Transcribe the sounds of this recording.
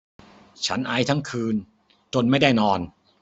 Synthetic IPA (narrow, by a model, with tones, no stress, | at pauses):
t͡ɕʰa̰˦˥nʔa˧jt̪ʰa˥˩ŋkʰɯː˧n | t͡ɕo˧nma˥˩jda˥˩jnɔː˧n